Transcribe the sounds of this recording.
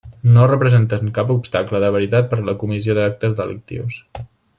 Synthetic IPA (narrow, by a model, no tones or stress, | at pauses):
norəpɾəzent̪əŋkapupst̪akləðəβ̞əɾit̪at̪̚pəɾləkumizioðak̚t̪əzðələ̰k̚t̪ḭws